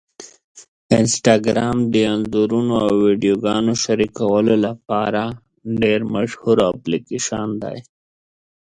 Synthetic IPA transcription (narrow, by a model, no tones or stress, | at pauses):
ɪnsʈɑɡɾaːmd̪əanzuɾunoawːiɖijoɡɑnoʃaɾikawəlolapɑɾa | ɖeɾmaʃhuɾaplikeʃand̪a̰j